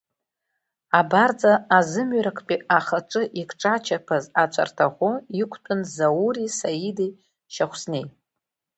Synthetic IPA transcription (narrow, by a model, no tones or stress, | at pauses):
abard͡zaːzɨmɥɾakʷʰpʼiaχaʈ͡ʂʼɨʔikʰʼʈ͡ʂʼat͡ʃʰapʰazat͡ʃʷʰa̰rtʰaʁʷʊikʷʰtʼɨnzawurisaidi | ʃaχʷsnej